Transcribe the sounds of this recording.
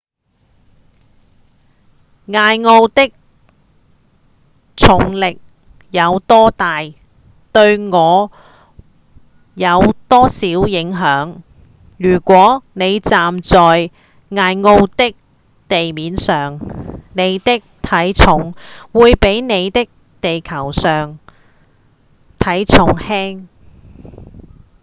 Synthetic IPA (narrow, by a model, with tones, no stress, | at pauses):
ŋaː˧jŋo˧wt̪ɪ˥k̚ | t͡sʰʊ˨˩ŋlɪ˨k̚ | jɐ˨˧wt̪ɔː˥t̪aː˨j | t̪ɵ˧ɥŋɔː˨˧ | jɐ˨˧wt̪ɔː˥siː˨˥wjɪ˨˥ŋɦœː˨˥ŋ | jyː˨˩kʷɔː˨˥ne˨˧jt͡saː˨mt͡sɔː˨j | ŋaː˧jŋo˧wt̪ɪ˥k̚ | t̪e˨jmiː˨˥nsœː˨ŋne˨˧jt̪ɪ˥k̚t̪ʰɐ˨˥jt͡sʰʊ˨˥ŋwuː˨˧jpe˨˥jne˨˧jt̪ɪ˥k̚ | t̪e˨jkʰɐ˨˩wsœː˨ŋ | t̪ʰɐ˨˥jt͡sʰʊ˨˧˥ŋhɛː˥ŋ